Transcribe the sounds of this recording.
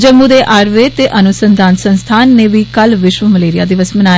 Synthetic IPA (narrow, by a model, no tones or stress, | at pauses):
d͡ʒəmːũːd̪eːʔaːɾʋeːt̪eːʔənʊsənd̪aːnsənst̪ʰaːnːẽːʋiːkəlʋɪʃʋəməleːɾɪja̰ːd̪ɪʋəsmənaː